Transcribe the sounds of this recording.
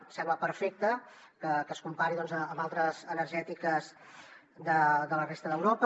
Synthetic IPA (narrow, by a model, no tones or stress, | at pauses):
sɛmbləpəɾfek̚t̪ə | kəkəskumpaɾiðɔnzəːmbalˠt̪ɾəzənəɾʒɛt̪ikəz | d̪əd̪ələrest̪əðəwɾop